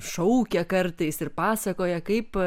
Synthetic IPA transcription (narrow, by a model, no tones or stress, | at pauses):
ʃɐʊkʲɛkɐɾt̪ɐɪsɪrpɑːsɐkoːjɛkɐɪp